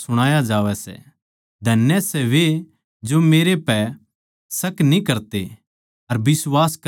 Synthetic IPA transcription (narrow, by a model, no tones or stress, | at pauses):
sʊɽ̃aːjad͡ʒaːʋɛsɛ̰ | d̪ʱɐnjɛsɛʋe | d͡ʒomeːɾepɛ | sɐknĩkɐɾt̪e | ɐɾbɪswaːsk